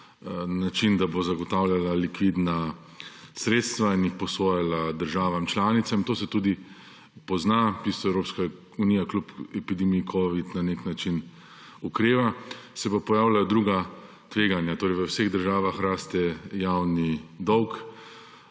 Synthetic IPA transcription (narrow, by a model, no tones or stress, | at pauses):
nat͡ʃind̪abozaɡɔt̪awljalalikʋid̪na | sɾeːt̪st̪ʋainjixpɔsoːjalad̪əɾʒaːʋamt͡ʃlaːnit̪samt̪oːsɛt̪uːd̪i | pɔznapist̪ɔɛwɾoːpska | uniːjaklupɛpid̪ɛmiːkʰɔːʋit̪naneknat͡ʃin | ukɾeːʋasɛpapɔjaːwlajɔd̪ɾuːɡa | t̪ʋeːɡanjat̪oːɾɛjʋəwseɣd̪əɾʒaːʋaxɾaːst̪ɛjawnid̪ɔwk